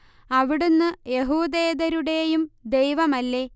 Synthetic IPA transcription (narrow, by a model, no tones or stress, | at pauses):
ɐʋiɽunːɨje̞ɦuːd̪eːd̪ɐɾuɽe̞jumd̪e̞jʋɐmɐlːe̞